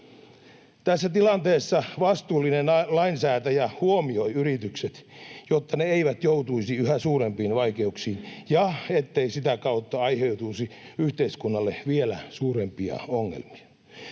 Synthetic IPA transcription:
t̪æsːæt̪ilɑnt̪eːsːɑʋɑst̪uːlːinenlɑinsæːt̪æjæhuomioiyɾit̪ykset̪jot̪ːɑneeiʋæt̪jout̪uisiyhæsuːɾempiːnʋɑikeuksiːnjɑet̪ːeisit̪ækɑut̪ːɑɑiheut̪usiyht̪eiskunːɑlːeʋielæsuːɾempiɑ̰oŋːḛlmi̥ɑ̥

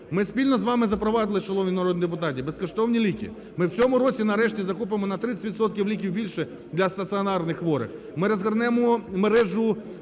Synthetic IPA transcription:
mɪspʲilʲnɔzʋɑmɪzɐpɾɔʋɑd̪ɪlˠɪt͡ʃɔlˠɔʋnʲinɐɾɔd̪nʲid̪ep̬ʊt̪ɑtʲibeskɔʃt̪ɔwnʲilʲikʲḭ | mɪwt͡sʲɔmʊɾɔt͡sʲinɐɾɛʃtʲizɐkup̬emɔnɐt̪ɾɪt͡s̪ʲɪ̥tʲʋit̪sɔt̪̚kʲiwlʲikʲiwbʲilʲʃɛ | d̪lʲɐst̪ɐt̪sɨɔnɑrnɪxʋɔɾɪ̰x | mɪɾɐzɦɐrnɛmɔmeɾɛʒʊ

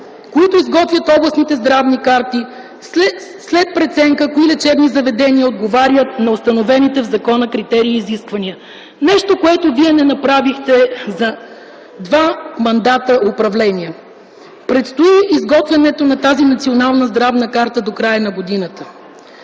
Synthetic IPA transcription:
koit̪oizɡɔt̪vʲjət̪ɔblˠəsnit̪ɛzd̪ɾavnikaɾt̪i | slɛt̪̚pɾɛt̪sɛŋkəkoilɛt͡ʃɛb̪nizɐvɛd̪ɛniəod̪ɡovaɾʲjət̪nɐost̪ɐnovɛnit̪ɛvzɐkɔnəkɾit̪ɛɾiːziskvɐniə | nɛʃt̪okoɛt̪oviɛnɛnɐpɾavixt̪ɛzɐ | d̪vamɐnd̪at̪əʔʊpɾɐvlɛniə | pɾɛt̪st̪oiizɡɔt̪vʲɛnɛt̪onɐt̪azinɐt̪sionalˠnəzd̪ɾavnəkaɾt̪əd̪okɾajənɐɡod̪inət̪ə

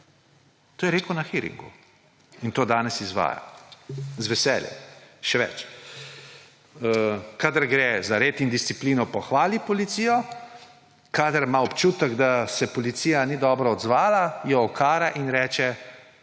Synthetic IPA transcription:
t̪oːjɛɾeːkəwnaxiɾḭŋɡṵ | int̪oːd̪aːnɛsizʋa̰ːja̰ | zʋɛsɛːljɛ̰mʃɛʋɛ̰t͡ʃ | əkaːd̪əɾɡɾɛːzaɾeːt̪ind̪ist̪sipliːnɔpɔxʋaːlipɔlit̪siːjɔ | kad̪əɾmaɔpt͡ʃuːt̪əɡd̪asɛpɔlit̪sijanid̪ɔːbɾɔɔd̪zʋaːlajɛɔkʰaːɾaʔinɾɛːt͡ʃɛ

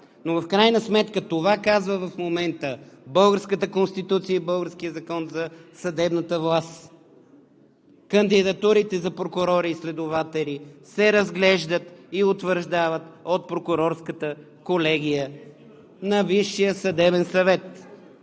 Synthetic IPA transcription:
novɐfkɾajnəsmɛt̪kət̪ovakazvəvɐfmomɛnt̪əbɤlˠɡəɾskət̪əkonst̪it̪ut̪sijəibɤlˠɡəɾsk̟ijəzɐkɔnzɐsɐd̪ɛbnət̪əvlˠast̪ | kənd̪id̪ɐt̪uɾit̪ɛzɐpɾokʊɾɔɾiːslɛd̪ovat̪ɛlisɛɾɐzɡlɛʒd̪ət̪iʊt̪vəɾʒd̪avət̪ot̪̚pɾokʊɾɔɾskət̪ə | kolɛɡ̟ʲijə | nɐviʃːijəsɐd̪ɛbɛnsɐvɛt̪

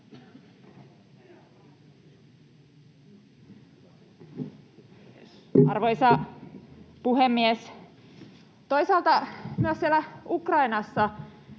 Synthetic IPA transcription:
ɑrʋoisɑ | puɦemːies | t̪o̞jsɑːlt̪ɑmyøssielæukrɑjnɑsːɑ

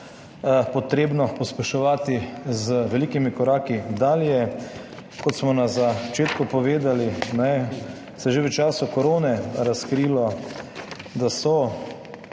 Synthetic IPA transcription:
pɔt̪ɾeːbnɔpɔspɛʃɔʋaːt̪izəʋɛliːkimikɔɾaːkid̪aljɛ | kɔt̪smɔnazat͡ʃeːt̪kɔpɔʋeːd̪alinɛ | sɛʒeʋət͡ʃaːsukɔɾoːnɛɾaskɾiːlɔ | d̪asɔ

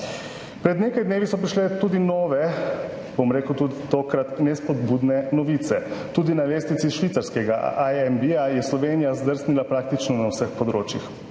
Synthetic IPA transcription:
pɾɛd̪neːkajd̪neːʋisɔpɾiʃlɛt̪uːd̪inɔːʋɛ | bomɾeːkwt̪ud̪it̪oːkɾat̪nɛspɔd̪bud̪nɛnɔʋit̪sɛt̪uːd̪inaleːst̪it̪siʃʋit̪saɾskɛɡa̰ʔajɛmbiajɛslɔʋenijazd̪əɾsnilapɾaːk̚t̪it͡ʃnɔnawsəxpɔd̪ɾoːt͡ʃjḭx

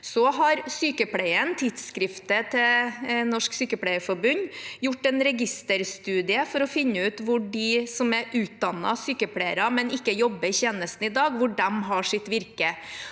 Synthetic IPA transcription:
sɔɦɑɾsyːkəpʰlɽæɪənt̪ʰɪd̪skɾɪft̪ət̪ʰɛnɔʂksyːkəpʰlæɪəfɔɾbʉnjʊʈːɛnɾɛɡɪst̪əɾst̪ʉːd̪ɪəfɔɾɔfɪnːəʉːt̪ʋʊɖɪsɔmæɾʔʉːt̪̚d̪ɑnːɑ̰syːkəpʰleɪəɾɑmɛnɪkːəjɔbːəɪçeːnəst̪n̩ɪd̪ɑːɡʋʊɖɛmɦɑʂɪt̪ʋɪɾkə

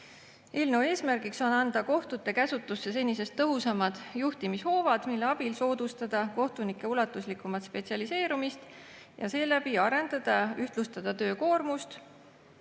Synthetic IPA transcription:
e̞ːlnewe̞ːsmærɡikso̞nɑnd̪̥ɑko̞ht̪ut̪ːˑe̞kæsut̪ːˑusːe̞s̬e̞nʲise̞st̪ːɤɦusɑmɑd̪̥juht̪imisho̞ːvɑd̪̥milːe̞ɑb̥ilso̞ːd̪̥ust̪ɑd̪̥ɑko̞ht̪unikːˑe̞ulɑt̪ːˑuslikːˑumɑt̪spe̞tsiɑlise̞ːɾumist̪ | jɑ̰se̞ːlæb̥iɑɾe̞nd̪̥ɑd̪̥ɑyht̪lust̪ɑd̪̥ɑt̪ø̞ːko̞ːrmust̪

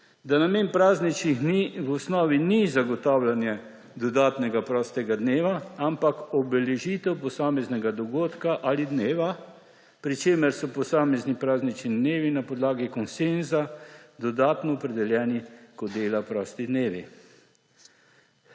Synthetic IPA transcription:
d̪anameːnpɾaːznit͡ʃnixniʋɔsnɔːʋinizaɡɔt̪aːwlanjɛ | d̪ɔd̪aːt̪nɛɡapɾɔːst̪ɛɡad̪neːʋaampakɔbɛlɛʒiːt̪ɛwpɔsaːmɛznɛɡad̪ɔɡoːt̪kaʔalid̪neːʋa | pɾit͡ʃeːmɛɾsɔpɔsaːmɛznipɾaːznit͡ʃnid̪neːʋinapɔd̪laːɡikɔnsenzad̪ɔd̪aːt̪nɔːpɾɛd̪ɛljɛːnikɔd̪eːlapɾɔːst̪id̪neːʋḭ

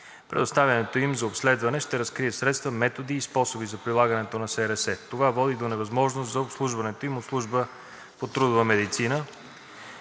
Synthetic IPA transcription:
pɾɛ̰d̪ost̪avʲjɐnɛt̪oimzɐopslɛd̪vɐnɛʃt̪ɛɾɐskɾiɛsɾɛt̪st̪vəmɛt̪od̪iːspɔsobizɐpɾilˠaɡənɛt̪onɐsɛɾɛsɛt̪ovavɔd̪id̪onɛvɐzmɔʒnost̪zɐopslˠuʒvɐnɛt̪oimot̪slˠuʒbə | pot̪ɾud̪ʊvəmɛd̪it̪sinə

